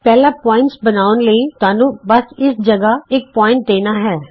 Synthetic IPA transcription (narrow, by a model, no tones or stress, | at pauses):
pɛːlaːpɔːɪ̃ɳʈsbənaːʋənləiːt̪aːnũːbəsɪsd͡ʒəɡaːɪk̚pɔːɪ̃ɳʈ̚d̪eːnaːɦɛː